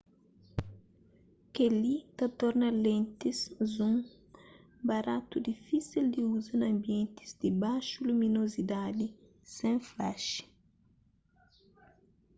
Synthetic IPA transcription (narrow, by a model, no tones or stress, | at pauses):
kelit̪ɐt̪ɔɾnɐlẽnt̪iszũŋ | baɾat̪ud̪ifisild̪iuzɐnɐ̃mbiẽnt̪i̥zd̪ibaʃulumĩnozid̪ad̪i | sẽfaʃi̥